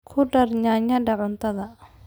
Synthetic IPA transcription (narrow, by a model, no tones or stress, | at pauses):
kʰʊɖɐrɲaːɲɐɖɐʕʊnt̪ʰɐðɐ